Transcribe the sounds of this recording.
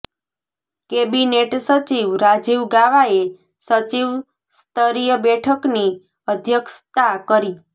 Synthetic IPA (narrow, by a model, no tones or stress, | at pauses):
kebineʈsət͡ʃiʋɾad͡ʒiʋɡaʋae | sət͡ʃiʋ | st̪əɾijəbɛʈʰəkni | əd̪ʱjəkst̪akəɾi